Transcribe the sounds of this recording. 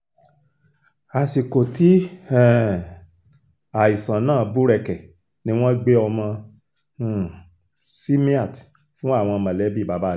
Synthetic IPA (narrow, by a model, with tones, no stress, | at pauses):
a˨si˨ko˨ti˨˦ɛ˦˨ | a˨i˨sã˨nãː˦˨˧bu˦ɾɛ˨kɛ˨ | nĩ˨˦w̃ɔ̃˦ɡ͡be˦ɔ˧mɔ̃˧˦˨ | si˦mĩ˦a˦˨t | fũ˦a˦˨w̃ɔ̃˧mã˨lɛ˨˦bi˦˨ba˨˦ba˦˨